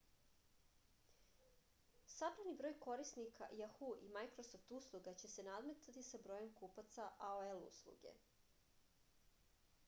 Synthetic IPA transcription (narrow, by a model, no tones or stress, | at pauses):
sabɾanibɾo̞jko̞ɾisnikʰa̰jaxuʔimajkɾosoft̪uslˠuɡat͡ɕe̞se̞nad̪met̪at̪isabɾo̞je̞mkupat̪saʔaoelṵslˠṵɡe̞̰